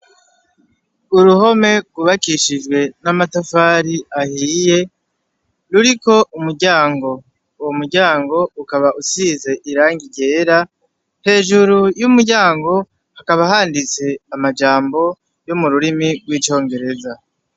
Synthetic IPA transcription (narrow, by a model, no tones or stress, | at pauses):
uɾuɦo̞me̞ɡuβakiʃiʒɡwe̞namatafaːɾiahiːje̞ | ɾuɾiko̞ʔumuɾɟaːŋɡo̞ | uwomuɾɟaːŋɡo̞ukaβaʔusiːze̞ʔiɾaːŋɡiɟe̞ːɾa | he̞ːʒuɾujumuɾɟaːŋɡo̞ | hakaβaɦaːndit͡se̞amad͡ʒaːmbo̞ | jomuɾuɾimiɡwiːt͡ʃo̞ːŋɡe̞ɾe̞za